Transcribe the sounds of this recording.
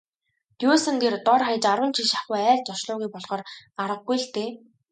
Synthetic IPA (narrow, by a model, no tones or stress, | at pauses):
t̪juːsə̆nt̪ert̪ɔrχajə̆t͡ɕaɾwə̆nt͡ɕʰiʃḁχujæːɮt͡ɕɔʃɮʊːɣujpɔɮχɔːraɾə̆ɡ̚ɡuj̆ɬt̪eː